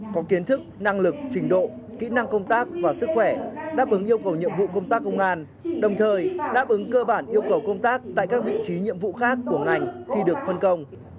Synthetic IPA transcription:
kɔ˨˦ki˨˦ənt̪ʰɨ˦˥k̚na˧ŋlɨ˨˩k̚t͡ɕï˨˦ŋ̟ɗo̰˧˨ | kḭ˧˥na˧ŋkə˧wŋ͡mt̪aː˦˥k̚vaː˨˩sɨ˦˥k̚xwɛ˧˩ɗaː˦˥p̚ʔɨ˨˦ŋʔi˧əwkə˨˩wɲḭ˧˨əmvṵ˧˨kə˧wŋ͡mt̪aː˦˥kːə˧wŋ͡mʔaː˧n | ɗə˨˩wŋ͡mt̪ʰəː˨˩jɗa̰ː˦˥p̚ʔɨ˨˦ŋkəː˧ɓaː˧˩nʔi˧əwkə˨˩wkə˧wŋ͡mt̪aː˦˥k̚t̪a̰ː˧˨jkaː˦˥k̚vḭ˧˨t͡ɕi˨˦ɲḭ˧˨əmvṵ˧˨xaː˦˥kːu˧˩əŋa˨˩jŋ̟xi˧ɗɨ˨˩ək̚fə˧nkə˧wŋ͡m

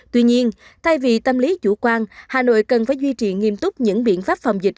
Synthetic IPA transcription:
t̪wi˧ɲi˧ən | t̪ʰa˧jvi˨˩t̪ə˧mli˨˦t͡ɕṵ˧˩kwaː˧nhaː˨˩no̰˧˨jkə˨˩nfaː˧˩˦jzwi˧t͡ɕi˨˩ŋi˧əmt̪ʊ˦˥k͡p̚ɲɨ̰˧˥ŋɓḭ˧˨ənfaː˦˥p̚fa˨˩wŋ͡mzï˨˩k̚

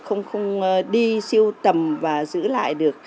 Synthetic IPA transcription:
xə̰˧wŋ͡mxə˧wŋ͡mɗi˧si˧əwt̪ə˨˩mvaː˨˩zɨ̰˧˥la̰ː˧˨jɗɨ˨˩ək̚

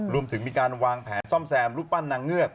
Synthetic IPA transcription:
ɾu˧əmt̪ʰɯ˩˦ŋmiː˧kaː˧nwaː˧ŋpʰɛː˩˦nsɔ˥˩msɛː˧mlu˦˥˩k̚pa˥˩nːaː˧ŋːɯ˥˩ət̪̚

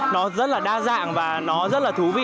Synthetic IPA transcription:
nɔ˨˦zə˦˥t̚laː˨˩ɗaː˧za̰ː˧˨ŋvaː˨˩nɔ˨˦zə˦˥t̚laː˨˩t̪ʰu˨˦vḭ˧˨

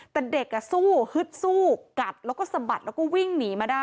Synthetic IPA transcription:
t̪ɛː˨˩de˨˩kːa˨˩suː˥˩hɯ˦˥t̪̚suː˥˩ka˨˩t̪̚lɛː˦˥wkɔː˥˩sa˧˦ba˨˩t̪̚lɛː˦˥kɔː˥˩wi˥˩ŋniː˨˩˦maː˧˩daː˥˩

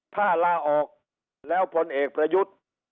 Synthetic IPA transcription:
pʰaː˥˩laː˧˩˨ʔɔː˨˩k̚ | lɛː˦˥wpʰo˧˥nʔeː˨˩k̚pɾa˧ju˦˥t̪̚

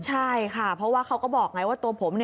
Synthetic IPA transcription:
t͡ɕʰa˥˩jkʰa˥˩pʰɾɔ˧˦˥waː˥˩kʰa˦˥wkɔː˥˩bɔː˨˩k̚ŋa˦˥jwaː˥˩t̪u˧ɐpʰo˩˦mni˥˩

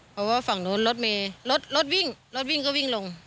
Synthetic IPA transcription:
pʰɔ˧˥waː˧˨fa˨˩ŋnuː˨˥˨nlo˦˥t̪̚meː˧˩lo˦˥t̪̚lo˦˥t̪̚wi˧˥˩ŋlo˦˥t̪̚wi˥˩˨ŋkɔ˧˥˩wi˧˥˩ŋlo˧ŋ

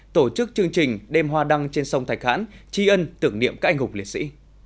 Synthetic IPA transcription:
t̪o˧˩t͡ɕɨ˦˥k̚t͡ɕɨ˧əŋt͡ɕï˨˩ŋ̟ɗɛ˧mɦwaː˧ɗa˧ŋt͡ɕe˧nsə˧wŋ͡mt̪ʰa˨˩jk̚ha̰ː˧˥nt͡ɕi˧ʔə˧nt̪ɨ˧˩əŋnḭ˧˨əmkaː˦˥k̚ʔjŋɦʊ˨˩k͡p̚li˨˩ət̚sḭ˧˥

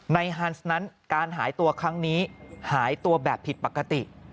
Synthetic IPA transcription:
na˧jɦa˦˥nsna˦˥nkaː˧nɦaː˩˦jt̪u˧ɐkʰɾa˦˥ŋniː˦˥haː˩˦jt̪u˧ɐbɛː˨˩pʰːi˨˩t̪̚pa˨˩ka˧t̪i˨˩ʔ

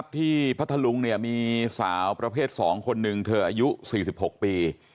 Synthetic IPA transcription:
p̚t̪ʰiː˥˩pʰa˦˥t̪ʰːa˧lu˧ŋni˥˩əmiː˧saː˩˦wpɾa˧pʰeː˥˩t̪̚sɔː˩˦ŋkʰo˧nːɯ˨˧ŋt̪ʰɤː˧ʔaː˧ju˦˥siː˨˩si˨˩p̚ho˨˩k̚piː˧

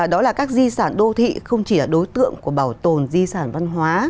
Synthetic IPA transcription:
a˨˩ɗɔ˨˦laː˨˩kaː˦˥k̚zi˧saː˧˩nɗo˧t̪ʰḭ˧˨xə˧wŋ͡mt͡ɕi˧˩laː˨˩ɗo˨˦jt̪ɨ̰˧˨əŋku˧˩əɓaː˧˩wt̪o˨˩nzi˧saː˧˩nva˧nɦwaː˨˦

